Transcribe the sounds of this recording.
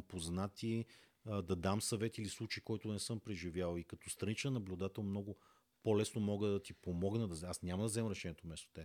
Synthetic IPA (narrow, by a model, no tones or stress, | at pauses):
poznat̪i | d̪ɐd̪amsɐvɛt̪iilislˠut͡ʃiikɔjt̪ʊnɛsɤmpɾɛʒivʲjalˠikɐt̪ɔst̪ɾɐnit͡ʃ̪nɐblʲud̪at̪ɛlˠmnɔɡʊ | polɛsnomɔɡəd̪ɐt̪ipomɔɡnəd̪ɐzasnʲamɐd̪ɐvzɛmɾɛʃɛnʲiɛt̪omɛst̪o̥t̪ɛ